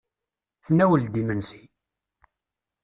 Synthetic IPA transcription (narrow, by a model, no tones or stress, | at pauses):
θənæwəld̪imənsi̥